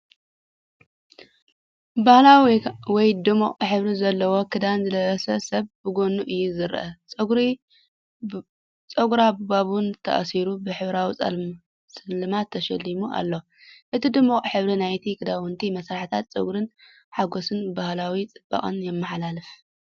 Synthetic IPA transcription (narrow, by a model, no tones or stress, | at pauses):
bahlawiwɔjd̪ɨmuχʼħɨβɾizɐlːɐwo̞kʰɨd̪anzɨlɐβɐsɐsɐβbɨɡo̞nuʔɨjːuzɨɾʔɐt͡sʼɨɡɾi | t͡sʼɐɡɾabaβunt̪ʰɐ̰ʔsiɾubɨħɨβɾawit͡sʼɐ | sʼɨlɨmat̪ʰːɐʃɐlːimuʔa̰lːo̞ | ʔɨt̪ʰid̪ɨmuχʼħɨβɾinajt̪ʰikʰɨd̪awɨnt̪ʰimɐsɾaħt̪ʰat̪̚t͡sʼɐ̰ɡɾɨn | ħaɡo̞sɨnbahlawit͡sʼɨb̥a̰χʼɨ̰njɛmːɐħlalɨf